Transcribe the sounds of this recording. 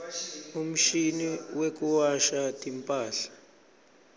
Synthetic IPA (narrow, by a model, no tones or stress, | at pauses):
um̩ʃiniwek̬ʼuwaʃatʼimpʼaːɬḁ